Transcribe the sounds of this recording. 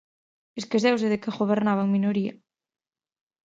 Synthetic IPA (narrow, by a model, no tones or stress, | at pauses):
eskezɛwseðekeɣoβ̞eɾnaβ̞aŋminoɾiɐ̰